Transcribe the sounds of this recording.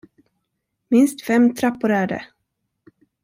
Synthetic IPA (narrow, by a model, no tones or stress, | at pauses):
mɪnst̪fɛmt̪ʰɾapːʊɾæːɖɛ̰